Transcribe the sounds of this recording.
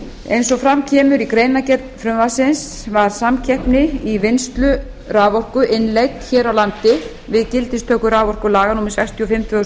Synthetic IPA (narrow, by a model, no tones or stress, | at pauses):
ejnsɔfɾamcʰɛːmʏɾikɾeːjnacɛt̪nfɾʏmvasɪns | vaɾ̥samcʰɛhpnɪivɪnst̪lʏ | raːvɔr̥kʏʔɪnlejt̪çɛːɾawlant̪ɪ | vɪðcɪlt̪ɪst̪ʰœːhkʏɾaːvɔr̥kʏlaːɣanumɛɾ̥sɛkst̪ʰjʏɔfɪmt̪ʰvœ